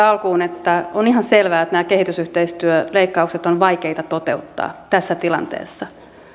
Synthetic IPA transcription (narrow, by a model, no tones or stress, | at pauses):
ɑlkuːnet̪ːæonihɑnselʋæːet̪næːkehit̪ysyht̪eist̪yøleikːɑukset̪onʋɑikeit̪ɑt̪ot̪eut̪ːɑ̰ːt̪æsːæt̪ilɑ̰nt̪ḛːsːɑ